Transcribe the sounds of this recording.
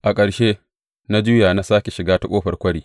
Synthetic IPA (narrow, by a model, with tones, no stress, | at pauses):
ʔa˨kʼɐ˨ɽʃeː˦ | na˦d͡ʒʊ˦jaː˨na˦saː˦kʲe˨ʃɪ˨ɡaː˦ta˦kʷʼoː˦ɸɐ˨rkʷɐ˦ɽiː˦